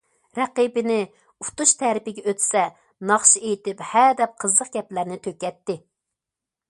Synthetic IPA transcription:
ɾɛqibɪnɪ | ut̪uʃt̪ʰɛɾɪpɪɡʲɛøt̪sɛ | nɑχʃiejt̪ɪphæd̪ɛp̚qʰəzːəq̚ɡʲɛplæɾnɪt̪ʰøkʲɛt̪ːɪ

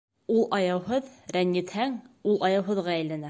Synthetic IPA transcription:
ulˠʔɑjɑwhɤðɾænjɘ̆t̪hæŋulˠʔɑjɑwɦɤ̆ðʁɑæjlænæ

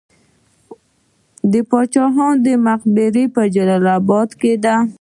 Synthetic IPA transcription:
d̪əpɑt͡ʃɑɦɑnd̪əmaqbeɾipəd͡ʒalalabɑd̪ked̪a

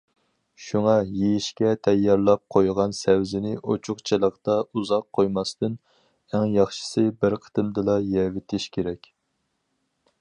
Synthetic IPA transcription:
ʃuŋɑjejiʃkʲɛt̪ʰɛjːɑɾlˠɑp̚qʰojʁɑnsɛwzɪnɪʔot͡ʃʰʊqt͡ʃʰilˠəqt̪ɑʔuzɑq̚ʰːojmɑst̪ɨn | æŋjɑχʃɪ̥sɨbɪɾqʰə̥t̪ɨmd̪ɨlˠɑjɛvɪt̪ʰɪʃkʲʰeɾɛkʲ

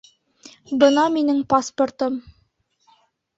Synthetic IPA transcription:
bɤnɑminɘŋpasport̪ɤm

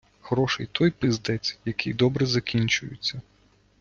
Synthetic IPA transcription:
ɣɾɔʃejt̪ʰɔjpɪzd̪ɛt͡sʲjɐkʰɪjd̪ɔbɾɛzɐkʲinʲt͡ʃʊjɪ̰t͡sʲːɐ

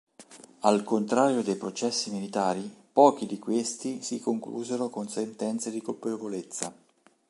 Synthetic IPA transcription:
alkont̪ɾaːɾjod̪ejpɾot͡ʃɛsːimilit̪aːɾipɔːk̟id̪ikwest̪isikoŋklṵːzeɾokonsent̪ɛnt̪sed̪ikolpevolet̪sːa̰

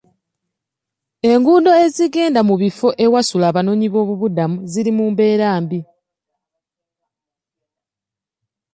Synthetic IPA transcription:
e̞ŋɡuːndo̞e̞ziɡe̞ːndamuβifo̞ʔe̞wasulaːβano̞ːɲiβo̞ːβuβudamuziɾimuːmbe̞ːɾaːmbi

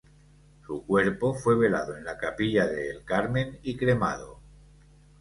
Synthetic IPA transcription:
sukwe̞ɾpo̞fwe̞β̞e̞la̰ðo̞e̞nlakapiʎaðe̞ːlkaɾmẽ̞nikɾe̞ma̰ðo̰

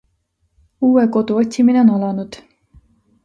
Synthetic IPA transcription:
uːɛkod̪uot̪ʲʰːiminɛnɑlɑnud̪

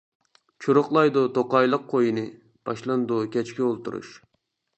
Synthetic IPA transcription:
t͡ʃʰuɾʊχlˠɑjd̪ut̪oqɑjlˠəqqʰːojinɨ | b̥ɑʃlˠɑnd̪ukʲʰɛt͡ʃkʲiolˠt̪uɾṵʃ

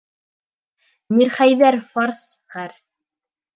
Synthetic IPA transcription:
miɾχæjðæɾfɑɾs | χæɾ

